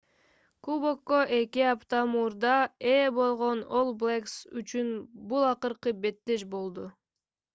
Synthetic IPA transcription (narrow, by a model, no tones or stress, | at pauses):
kubokːoʔe̞kiɑpt̪ɑmuːɾd̪ɑebo̞lˠʁo̞no̞lˠblʲˠeksyt͡ʃynbulˠɑqɯɾqɯbe̞t̪ːeʃbo̞lˠd̪u